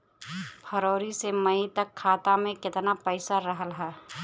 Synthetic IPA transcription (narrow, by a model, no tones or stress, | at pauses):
pʰəɾoːɾiseməɪt̪əkʰːaːt̪amẽkɪt̪napəɪsaɾəɦəlɦɛː